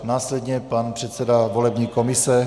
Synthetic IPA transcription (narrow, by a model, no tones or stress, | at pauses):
naːslɛdɲɛpanpr̝̥ɛt̪sɛdavo̞lɛbɲiːko̞mɪsɛ